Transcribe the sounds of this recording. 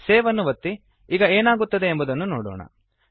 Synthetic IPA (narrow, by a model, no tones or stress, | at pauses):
seːʋɐnːuʋɐt̪ːi | iːɡɐeːnaːɡut̪ːɐd̪e̞ːmbud̪ɐnːunoːɽoːɳɐ̰